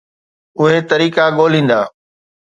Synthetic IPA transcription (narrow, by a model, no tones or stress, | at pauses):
ʊɦet̪ɐɾiːkaɠoːl̤ĩːn̆d̪aː